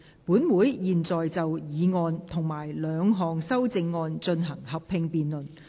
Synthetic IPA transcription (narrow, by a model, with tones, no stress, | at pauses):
puː˨˥nwuː˨˥jjiː˨˩nt͡sɔː˨jt͡sɐ˨wjiː˨˧ŋɔː˧nt̪ʰʊ˨˩ŋmaː˨˩jlœː˨˧ŋɦɔː˨ŋsɐ˥wt͡sɪ˧ŋːɔː˧nt͡ʃɵ˧nɦɐ˨˩ŋhɐ˨pʰɪ˧ŋpiː˨nlɵ˨˩n